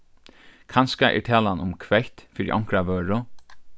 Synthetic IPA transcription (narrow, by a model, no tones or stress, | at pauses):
kʰanskaʔɛ̰ɹt̪ʰɛːlanʊmkʰʋɛht̪fiːɾḭʔɔ̰ŋkɾaʋœːɹʊ